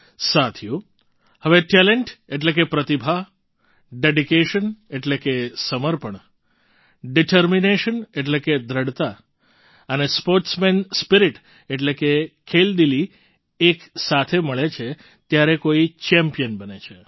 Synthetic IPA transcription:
sat̪ʰjũ | həʋeʈɛleɳʈeʈlek̬epɾət̪ibʱaɦ | ɖeɖikeʃəneʈlekesəməɾpəɳ | ɖiʈəɾmineʃəneʈleked̪ʱɾəɽt̪a | ənespoɾʈsmenspiɾiʈ | eʈlekekʰeld̪ili | eksat̪ʰeməɭet͡ʃʰe | t̪jaɾekoit͡ʃɛmpijənbənet͡ʃʰe

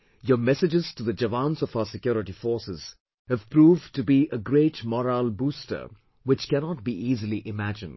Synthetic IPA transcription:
jəmɛsɪd͡ʒɪz̥tuðəd͡ʒəvãnsɔfaʊəsɪkjɔːɾɪʈifɔːɹsɪz̥ | hɨv̥pɾuːvtubiʔəɡɾeɪʈmɔɾalbuːstə̰˞ | wɪt͡ʃkænɔʈ̚biʔiːzəliʔɪmæd͡ʒɨ̃nd̥

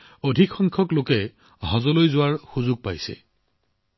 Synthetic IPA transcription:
odʱikxɔŋkʰɔklokɛ | ɦɔzɔlojzʊwaɹxuzʊɡ̚pajsɛ̰

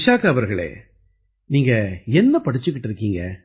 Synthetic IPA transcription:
ʃaːkɐʋɐɾɣɐɭḛː | niːŋɡɐɛnːɐpɐɽɪt͡ʃːɯkːɪʈːɪɾɯkːiːŋɡɐ

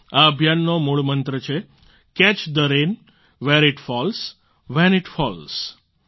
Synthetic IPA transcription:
aəbʱjanːomuɭmənt̪ɾət͡ʃʰe | kɛt͡ʃd̪əɾen | ʋeɾɪʈfɔls | ʋɛnɪʈfɔls

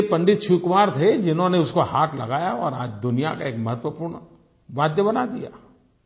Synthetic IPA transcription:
epɐ̃ɳɖɪt̪̚t͡ʃʰukmaːɾt̪ʰed͡ʒɪnɦõneʊskohaːt̪ʰlɐ̰ɡaːjaɔːɾaːd͡ʒd̪ʊnija̰ka̰eːkmɐɦət̪ʋəpuːɾɳ | baːd̪jəbɐnad̪ija̰ː

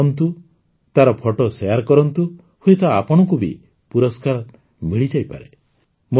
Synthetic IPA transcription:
nt̪u | t̪aɾɔpʰɔʈɔsejaɾkɔɾɔnt̪u | hujt̪ʰɔa̰pɔɽ̃ɔkubḭ | puɾɔskaɾ | miɭid͡ʒajpa̰ɾe | mo

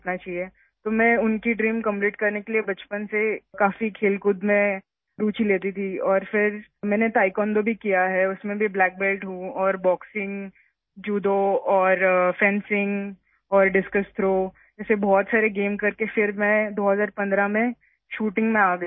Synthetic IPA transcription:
t̪nat͡ʃaːɦie | t̪omɛ̃ʊnkiɖɾiːmkɐ̃mpliːʈkɐɾnekeliebɐt͡ʃpənsekaːfikʰeːlkʊd̪mẽ | ɾuːt͡ʃileːt̪̬it̪ʰiɔːɾfɪɾmɛ̃ːnet̪aːɪkɔːnd̪obʱikijaɦɛʊsmẽbʱiblɛːk̚belʈɦũɔːɾbɔːksɪ̃ŋ | d͡ʒuːd̪oɔːɾfɛ̃nsɪ̃ŋɡ | ɔːɾɖɪskəst̪ʰɾoː | d͡ʒɛːsebɔːt̪saːɾeɡeːmkɐɾkefɪɾmɛ̃d̪oːɦɐzaːɾpɐ̃nd̪ɾamẽ | ʃuːʈɪ̃ŋɡmẽaːɡə

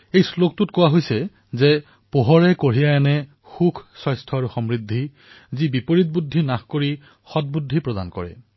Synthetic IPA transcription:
ejslok̚tʊtkʊwaɦojsɛ | zɛ | poɦɔɹɛkoɹijaanɛ | xukʰsɔjstʰɔaɹuxɔmɹidʱːi | zibipoɹit̚budʱːinaxkoɹi | xɔt̚budʱipɹɔda̰nkɔ̰ɹɛ̰

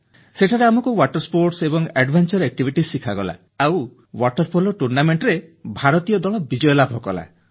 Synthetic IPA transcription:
seʈʰaɾeamɔkuwaʈɔɾspoɾʈsebɔŋɛɖbʱant͡ʃɔɾɛk̚ʈibʱiʈisːikʰaɡɔla̰ | aw | waʈɔɾpʰolɔʈuɾnameɳʈɾebʱaɾɔt̪ijɔd̪ɔɭɔbid͡ʒɔjɔlabʱɔkɔla̰

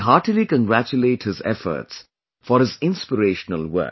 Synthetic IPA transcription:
ɦaːʈilikə̃nɡɾæt͡ʃuleːʈhɪzɛ̰fə̰ɾts | fɔɾhɪzɪ̃nspəɾeːʃənəlwə̰k̚

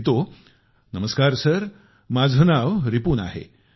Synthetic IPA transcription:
t̪o | nəməskaɾsəɾ | mad͡zʱənaʋɾipuːna̰ɦḛ

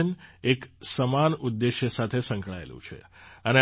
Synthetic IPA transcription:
əneksəmanud̪ːeʃjəsat̪ʰesə̃ŋkɭaḛlṵ̃t͡ʃʰḛəne

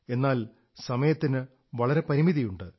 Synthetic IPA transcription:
e̞nːaːl | sɐmɐjɐt̪ːinɨ | ʋɐɭɐɾe̞pɐɾimiðijuɳɖɨ

